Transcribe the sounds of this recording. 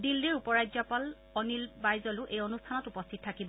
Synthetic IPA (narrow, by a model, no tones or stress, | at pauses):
dilːiɹupɔɹajzɔpal | ɔnilbajzɔlʊʔejonustʰanɔtupɔstʰit̚tʰːakibɔ